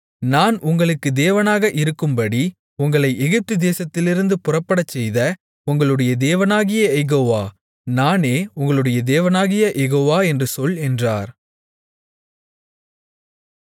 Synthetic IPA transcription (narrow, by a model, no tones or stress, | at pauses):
naːnʊŋɡɐɭɯkːɯd̪eːʋɐnaːɣɐʔɪɾɯkːɯmbɐɽi | ʊŋɡɐɭɐɪʔɛɣɪp̚t̪ɯd̪eːsɐt̪ːɪlɪɾɯnd̪ɯpʊrɐpːɐɽɐt͡ʃːɛjðɐ | ʊŋɡɐɭɯɽɐjɐd̪eːʋɐnaːɣɪjɐɛɣoːʋaː | naːneːʊŋɡɐɭɯɽɐjɐd̪eːʋɐnaːɣɪjɐʔɛɣoːʋaːɛndrɯsɔlɛndraːɾ